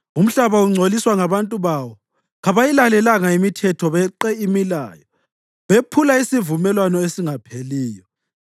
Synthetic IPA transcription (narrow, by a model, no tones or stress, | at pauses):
um̩ɬaβauŋ͡ǀʱoliswaŋaβantʼuβawɔ | ɣaβajilalɛlaŋaimitʰɛtʰɔβɛǃɛimila̰ːjɔ | βepʰulaisivumɛlwanɔesiŋapʰeliːjɔ